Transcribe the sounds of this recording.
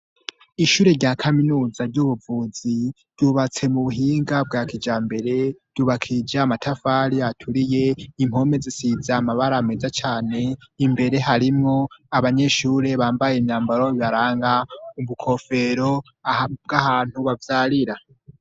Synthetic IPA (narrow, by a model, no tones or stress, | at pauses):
iʃuːɾe̞ɾɟakʰaminuːzaɾɟuβuvuːzi | ɾ̥ɟuβat͡se̞muβuɦiːŋɡab̚ɡaːkʰid͡ʒaːmbe̞ɾe̞ɾd̥uβakʰid͡ʒaamatʰafaɾiatʰuɾije̞imho̞me̞zesizaːmaβaɾame̞zat͡ʃaːne̞imbe̞ɾe̞ɦaɾimŋo̞aβaɲe̞ʃuːɾe̞βaːmbajemjaːmbaɾo̞iβaɾaːŋɡauβukʰo̞fe̞ɾo̞ | b̚ɡahaːn̥huβavjaɾiɾa